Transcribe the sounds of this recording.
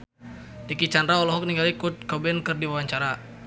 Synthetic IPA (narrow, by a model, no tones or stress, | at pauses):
t̪ikit͡ʃandɾaɔlɔɦɔk̚niŋɡalikut̪̚kɔbɛnkɨrdiwawaɲt͡ʃaɾa